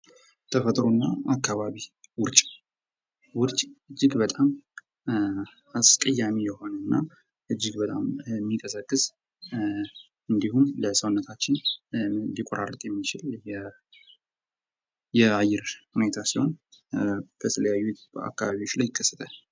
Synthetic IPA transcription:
t̪ʰəfət̪ʼɾonːaakʰːaβaβiwʊɾt͡ʃʼ | wʊɾt͡ʃʼɨd͡ʒːɪɡbət̪ʼam | askʼəjːamijɛho̞nənːa | ʔɨd͡ʒːɪɡbət̪ʼammːikʼəsəkʼːɨz | ɨnd̪ihumləsəwnːət̪ʰat͡ʃːɪn | d̪ikʼoɾʔa̰rːət̪ʼjɛmːit͡ʃɪljɛ | jɛajɪɾhune̞t̪ʰasiho̞n | b̥ət̪ʰələjajːua̰kːaβaβiwo̞t͡ʃːlajːɪkʰːəsːə̥t̪ʰʼa

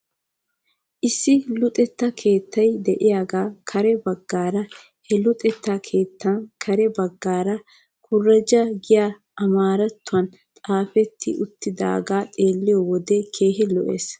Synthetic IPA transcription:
ʔɪsːɪlʊt̪ʼɛt̪ːɐkʰeːt̪ːɐjd̪ɛʔɪjaːɡaːkʰɐɾɛbɐɡːaːɾɐ | hɛlʊt̪ʼɛt̪ːakʰe̞ːt̪ːɐnkʰɐɾɛbɐɡːaːɾɐ | kʰʊrːɐd͡ʒɐɡɪjaː | ʔɐmaːɾɐt̪ːʊɐn | t̪ʼaːfɛt̪ʰːɪ̰ʔʊt̪ːɪd̪a̰ːɡaːt̪ʼe̞ːlːɪjɔwɔd̪ɛkʰe̞ːɦɪlɔʔḛːs

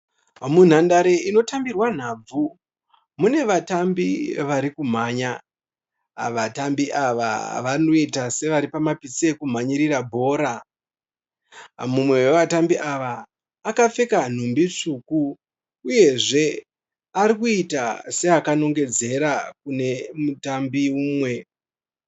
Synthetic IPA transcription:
mun̤andaɾe̞ino̞tambirwan̤aːb͡vu | mune̞ʋatambiʋaɾikum̤aːɲa | ʋatambiʔaʋa̰ʋano̞itase̞ʋaɾipamapit͡sekum̤aɲiɾirabʱo̞ːɾa | mumwe̞we̞ʋatambiʔaʋaː | kafe̞kan̤umbit͡ʂukuː | je̞ʐe̞ | aɾikuitase̞akano̞ŋɡe̞d͡ze̞ɾakune̞mutambiuːmwe̞

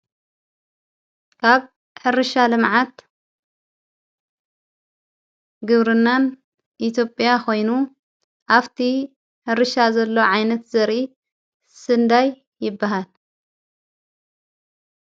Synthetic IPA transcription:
kʰaβ | ħɨɾɨʃalɨmʕat̪ | ɡɨβɾɨnːan | ʔit̪ʰjo̞pʼjakʰo̞jnu | ʔaβt̪ʰi | ħɨɾɨʃazɐlːo̞ʕajnɐt̪zɐɾʔi | sɨnd̪ajː | ɪbːaɦal

